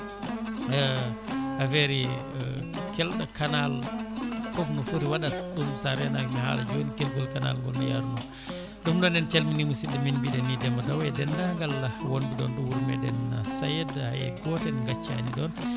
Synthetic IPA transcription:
afɛɾi | kɛlɗakanal | fɔfnɔfuɾiwaɗaɗumsaɾɛnaɡmɛha̰la̰d͡ʒonikɛlɡɔlkana̰lŋɡɔlnɔja̰ɾunu | ɗumɗɔnɛnt͡ʃalminimusidɛminbiɗɛnidɛmɔdawɛdɛndaŋɡalawonduɗɔnɗuwuɾmɛdɛnːasajɛdhajɛ̰ɡɔtɛnŋɡat͡ʃːa̰niɗɔn

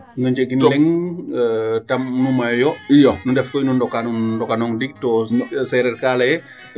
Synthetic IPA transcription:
nuɲd͡ʒeɡinlɛŋ | tɐmnumajjɔjonundɛfkɔjnundɔkanundɔkanɔŋdik̚tɔsɛɾɛrkalɐjɛ

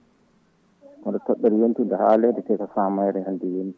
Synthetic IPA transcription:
kɔndɔtɔɗːɛɾjentindahaːlɛdɛtɛkafaːmajɾɛhandijenti

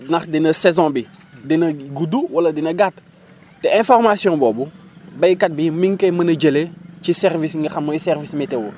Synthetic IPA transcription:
nɐxdinɐsɛzɔ̃bidinɐɡuduwɐlɐdinɐɡat | tɛɛ̃fɔrmasjɔ̃ːbɔːbubɐjkɐt̚bimiŋkɛmɐnɐɟəlecisɛrvisŋɡɐxɐmɐsɛrvismitɛwu

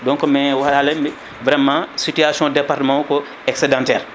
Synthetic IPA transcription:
dɔ̃ŋkmɛ̃waaleme | vɾɛmːãsityasjɔ̃depaɾtəmãko | ɛksedãntɛːɾ

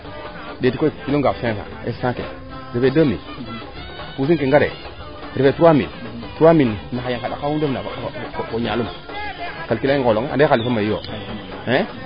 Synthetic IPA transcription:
detikokiloɡasẽsa̰ḛssãkḛ | ɾifedəmḭl | pus̬ikeŋɡaɾḛ | ɾifetuuamḭl | tuamilnaajaŋkada̰kawudofnakoɲalum | kalkilaiŋkoloŋea̰dealifamːajijo | e

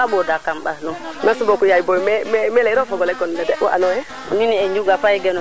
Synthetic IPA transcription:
aɓɔdakamɓalɔnnasubɔkujajibɔmɛmɛmɛlɛɾɔfɔɡɔlɛkɔndadɛɔ̰ʔa̰nɔɛ | miniɛɲd͡ʒuɡafajɡɛnɔ

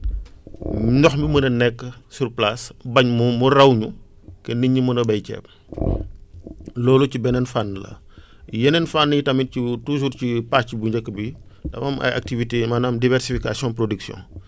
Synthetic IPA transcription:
nɔxmimənɐnɛkːəsurplasbɐɲmumurɐwɲu | kɛniɲːimənɐbɐjcɛ̰p̚ | lɔːlucibɛnɛnfanːlɐ̰ | jɛnɛnfanːjitɐmicitus̬uɾcipascibuɲɟɐkːəbidɐ̰mɐmʔɐ̰ja̰k̚tivitemɐnaːmdivɛɾsifikasjɔ̃npɾodiksjɔ̰̃n

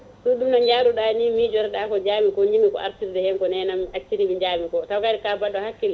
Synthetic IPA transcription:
ɗuɗumnaɲd͡ʒaːɾuɗanimid͡ʒɔɾɛɗakɔd͡ʒaːmikɔɲd͡ʒiŋikɔ̰ʔa̰ɾtiɾdɛhɛŋkɔnɛnamʔat͡ʃːiɾimiɲd͡ʒaːmikɔtawkaɾikabaɗːɔhakːil

